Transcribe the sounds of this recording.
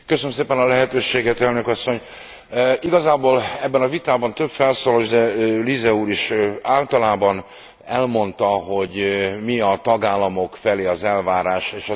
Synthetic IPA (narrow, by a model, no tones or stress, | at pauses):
køsønømseːpɛnɒlɛɦɛt̪øːʃeːɡɛt̪ɛlnøkɒsːo̞ɲ | iɡɒzaːboːlɛbːɛnɒvit̪aːbɒnt̪ø̞bfɛlsoːloʒd̪ɛlizɛuːɾiʃaːlt̪ɒlaːbɒn | ɛlmo̞nt̪ɒɦo̞ɟmiɒt̪ɒɡaːlːɒmo̞kfɛleːɒzɛlvaːɾaːʃeːʃɒ